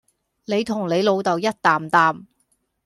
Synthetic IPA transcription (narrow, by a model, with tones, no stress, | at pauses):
ne˨˧jt̪ʰʊ˨˩ŋle˨˧jlo˨˧wt̪ɐ˨wjɐ˥t̚t̪aː˨mt̪aː˨m